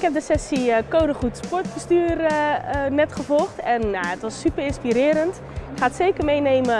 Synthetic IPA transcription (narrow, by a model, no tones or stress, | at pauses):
ɪkhɛp̚dəsɛsiəkowdəχutspɔɹtb̥əstyːrənɛtχəvɔlˠxtɛnjaətʋɔsːypərɪnspiɾɪːɾənt | ɪkχaːtseːkərmejneːmə